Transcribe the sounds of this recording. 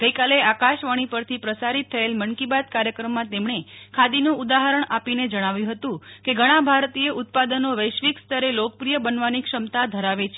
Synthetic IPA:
ɡ̥əjkaleakaʃʋaɽ̃ipəɾt̪ʰipɾəsaɾit̪ʰːəelmənkibad̪̚kaɾjəkɾəmːãt̪emɳ̃ekʰad̪inũud̪aɦəɾəɳ̃apined͡ʒəɽ̃aʋjũɦət̪ũkeɡʱəɽ̃ãbʱaɾt̪ieʔʊt̪̚pad̪ənoʋəjʃʋikst̪ʰəɾelok̚əpɾijəbənʋanikʂəmt̪ad̪ʱəɾaʋet͡ʃʰ

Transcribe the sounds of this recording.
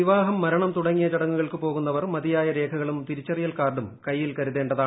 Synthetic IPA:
iʋaːɦɐmːɐɾɐɳɐmt̪uɽɐŋːijɐt͡ɕɐɽɐŋːuɣɐɭkɨpo̞ːɣunːɐʋɐrmɐðijaːjɐɾe̞ːkʰɐɣɐɭumt̪iɾit͡ɕːɐrijɐlkaːrɖumkɐjːilkɐɾuðe̞ːɳɖɐðaː

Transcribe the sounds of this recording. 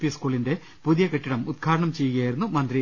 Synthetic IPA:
pijɐskuːɭinde̞ | puðijɐkeʈːiɽɐmud̪̚kʰaːɾɐɳɐmt͡ɕe̞jːuɣɐjaːjiɾunːumɐnd̪ri

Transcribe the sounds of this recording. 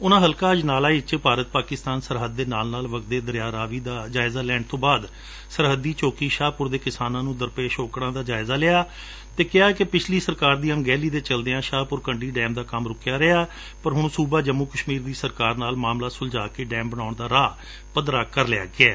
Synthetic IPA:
ʊnãːɦəlkaːəd͡ʒnaːlaːit͡ʃpaːɾət̪̚paːkɪst̪aːnsəɾɦəd̪ːeːnaːlnaːlʋək̪d̪eːd̪əɾjaːɾaːʋiːd̪aːd͡ʒaːɪzaːlɛːɳɖ̚t̪õːbaːd̪ | səɾɦəd̪ːiːt͡ʃoːkiːʃaːpʊɾd̪eːkɪsaːnãːnũːd̪əɾpeːʃoːkɽãːd̪aːd͡ʒaːɪzaːlɪaː | t̪eːkɪjaːɛːkepɪt͡ʃʰliːsəɾkaːɾd̪iːəŋɡɛːliːd̪eːt͡ʃəld̪eãːʃaːpʊɾkəɳɖiːɖɛːmd̪aːkəmɾʊkɪjaːɾəaː | pəɾɦʊɳsuːbaːd͡ʒəmːuːkəʃmiːɾd̪iːsəɾkaːɾnaːlmaːmlaːsʊld͡ʒaːkeːɖɛːmbəɽ̃aːʊɳd̪aːɾaː | pəd̪ɾaːkəɾlɪja̰ːɡɪɛː

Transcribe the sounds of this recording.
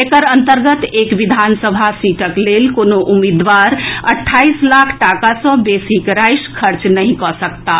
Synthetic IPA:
ekəɾənt̪əɾɡət̪ekʋid̪ʱansəbʱasiʈəklelkonoʔumid̪ʋaɾəʈʰːaislakʰʈakasə̃besikɾajskʰəɾt͡ʃnəɦĩkɔsək̚t̪a

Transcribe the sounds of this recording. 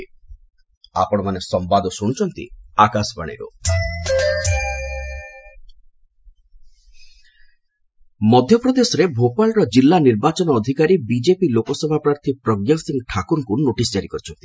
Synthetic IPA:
a̰pɔɽ̃ɔmanesɔmbad̪ɔsuɽ̃t͡ʃʰɔnt̪ḭakasba̰ɽ̃ḭɾṵ | mɔd̪ʱjɔpɾɔd̪esɔɾebʱopalɾɔd͡ʒilːaniɾbat͡ʃɔnɔːd̪ʱikaɾibid͡ʒepilokɔsɔbʱapɾaɾt̪ʰipɾɔɡjasiŋɡʈʰakuɾkunoʈisd͡ʒaɾikɔɾit͡ʃʰɔnt̪i

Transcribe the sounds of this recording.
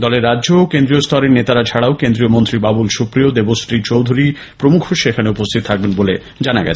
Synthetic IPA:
d̪ɔleɾːadːʑoːkend̪ɾiost̪ʰɔɾeɾnet̪aɾat͡ɕʰaɽaokend̪ɾiomont̪ɾibabulʃupɾiod̪ebosʈɾit͡ɕowd̪ʱuɾi | pɾomukʰoʃekʰaneupost̪ʰit̪ot̪ʰak̚benbole | d͡ʑanaɡɛ̰t͡ɕʰe̥

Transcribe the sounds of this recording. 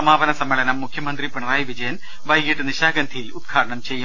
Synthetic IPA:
ɐmaːbɐnɐsɐmːeɭɐnɐmːukʰjɐmɐnd̪ripɐɳɐraːjʋid͡ʑɐjɐn | ʋɐjɡiʈːɨniɕaːɡɐnd̪ʰʱijilud̪̚ɡʰʱaːɾɐɳɐmt͡ɕe̞jːum

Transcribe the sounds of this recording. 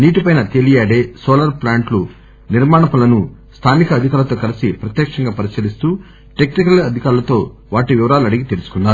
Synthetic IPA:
niːʈipɐjnɐt̪elijaːɽe̞ːsɔːlɐɾplaːɳʈlu | niɾmaːɳɐpɐlɐnust̪ʰaːnikɐːd̪ʱikaːɾlɐt̪o̞ːkɐlisipɾɐt̪jɛːkʂɐŋɡaːpɐɾisjɐlist̪uː | ʈeknikɐlɐd̪ʱikaːɾulɐt̪o̞ː | ʋaːʈiʋiʋɐɾaːluɐɽiɡit̪elusu̥kunːaːɾu

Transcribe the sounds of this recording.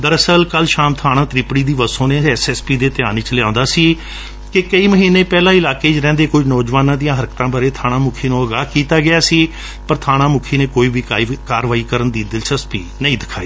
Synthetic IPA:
d̪əɾəsəlkəlʃaːmt̪ʰaːɽ̃ãːt̪ɾɪpɽiːd̪iːʋəsõːneːɛːsɛːspiːd̪eːt̪ɪjaːnit͡ʃlɪãːnd̪aːsiː | kɪkəiːməɦiːnːeːpɛːlãːɪlaːkeːt͡ʃɾɛ̃ːnd̪eːkʊd͡ʒnɔːd͡ʒʋaːnãːd̪ijãːɦəɾkt̪ãːbaːɾeːt̪ʰaːɽ̃ãːmʊkʰiːnũːəɡaːkiːt̪aːɡɪaːsiː | pəɾt̪ʰaːɽ̃ãːmʊkʰiːneːkoːiːbiːkakaːɾʋaːiːkəɾənd̪iːd̪ɪlsəspiːnəĩːd̪ɪkʰaːiː

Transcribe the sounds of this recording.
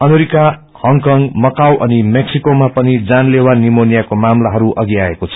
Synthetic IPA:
ʌmeɾika | hʌŋkʌŋɡmʌkawʔʌnimeksikomapʌnid͡zanlewanimonijakomamlaɦʌɾuʔʌɡiaekot͡sʰʌ̥

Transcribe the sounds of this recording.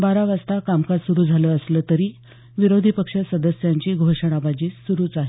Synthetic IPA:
baɾaʋast̪akamkasuɾuːd͡zʱaləəsləːt̪əɾiː | ʋiɾod̪ʱipəkʂəsəd̪əsjaɲt͡ɕiːɡʱoʂəɽ̃abad͡ʑiːsuɾuːt͡saɦe

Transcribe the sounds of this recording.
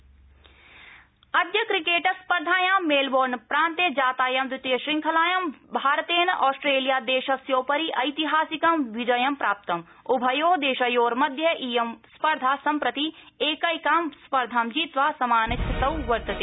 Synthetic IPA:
ɐd̪jɐkɾikeːʈɐspɐɾd̪ʱaːjaːmːeːlboːɾnpɾãːnt̪ed͡ʒaːt̪aːjɐmd̪ɾɪt̪jɐʃɾiŋkʰɐlaːjɐmbʱaːɾt̪eːnʔɔːsʈɾeːlijaːd̪eːʃɐsjoːpɐɾiʔɐjt̪iɦaːsikɐmʋid͡ʒɐjɐmpɾaːp̚t̪ɐm | ubʱɐjoːd̪eːʃɐjoːɾmɐd̪ʱjɐʔiːjɐmspɐɾd̪ʱaːsɐmpɾɐt̪i | eːkɐjkaːmspɐɾd̪ʱaːmd͡ʒiːt̪ʋaːsɐmaːnɐsʰɐt̪ɐwʋɐɾt̪ɐt̪eː

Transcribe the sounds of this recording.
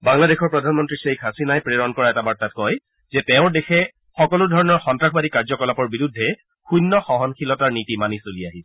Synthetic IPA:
baŋladexʰɔɹpɹɔdʱanmɔntɹisejkʰɦasinajpɹeɹɔnkɔɹaɛtabaɹtat̚kɔj | zɛtɛʊ̃ɹdexʰɛ | xɔkɔlʊdʱɔɹɔnɔɹxɔntɹakʰbadikaɹzɔkɔlapɔɹbiɹudʱːɛ | xujnːɔxɔɦɔnkʰilɔtaɹnitimanisolijaɦisɛ

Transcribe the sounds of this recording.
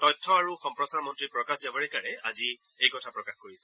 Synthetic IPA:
tɔjtʰːɔaɹuxɔmpɹɔsaɹmɔntɹipɹɔkaxzabaɹɛkaɹɛazi | ejkɔtʰapɹɔkaxkoɹisɛ

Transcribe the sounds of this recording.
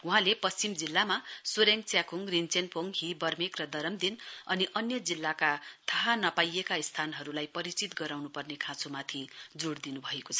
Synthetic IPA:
uɦãlepʌst͡simd͡zilːamasuɾeŋk̚t͡sjakuŋrint͡senpʰoŋɦibʌrmikrʌd̪ʌɾʌmd̪inʌniʔʌnjʌd͡zilːakat̪ʰʌɦanʌpajekaist̪ʰanɦʌɾulajpʌɾit͡sit̪ɡʌɾawnupʌrnekʰãt͡sumat̪ʰid͡zoɽd̪inubʱʌekot͡sʰʌ̥

